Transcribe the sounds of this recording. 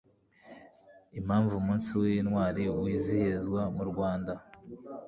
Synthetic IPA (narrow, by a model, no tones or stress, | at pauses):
imhaːɱvumuːnsiwinwaːɾiwiːzihezɡwamuɾɡwaːnda